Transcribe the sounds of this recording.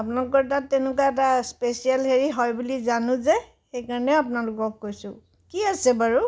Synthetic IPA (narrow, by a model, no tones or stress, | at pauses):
ap̬ʊnalʊk̬ɔɹtatːɛnʊkaɛtaspesialɦeɹiɦɔjbulizanʊ̃zɛ | xejkaɹɔnɛapʊnalʊkɔkːojsʊ̰̃ | kiasɛbaɹu